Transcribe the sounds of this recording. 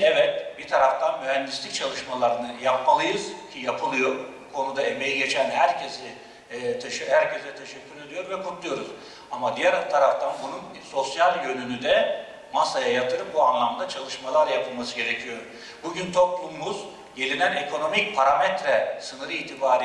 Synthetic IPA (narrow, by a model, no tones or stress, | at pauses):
ɛvɛt̪̚bit̪ʰaɾaft̪ʰanmyɦænd̪islʲic̚t͡ʃʰalˠɯʃmalˠaɾɯnɯjap̚malˠɯjɯzcʰijapʰɯlˠɯjo̞ɾbukʰo̞nud̪aeme̞jiɟet͡ʃʰænhæɾcʰesɪ | t̪ʰɛʃhæɾcʰezɛt̪ʰeʃɛcʰːylʲed̪ijo̞ɾvɛkʰut̪lˠujo̞ɾuz | amad̪ijæɾt̪ʰaɾaft̪ʰanbunun | so̞sjalʲjø̞nynyd̪ɛ | masajajat̪ʰɯɾɯpbuanlˠamd̪at͡ʃʰalˠɯʃmalˠaɾjapʰɯlˠmasɯɟe̞ɾecʰijo̞ɾ | buɟynt̪ʰo̞plˠumːuz̥ | ɟe̞lʲinæne̞kʰo̞no̞micpʰaɾamɛt̪ɾɛsɯnɯɾɯiːt̪ʰibaːɾi